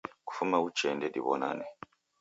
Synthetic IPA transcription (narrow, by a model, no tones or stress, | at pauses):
ku̥fumaut͡ʃɛndɛdiβɔ̰na̰nɛ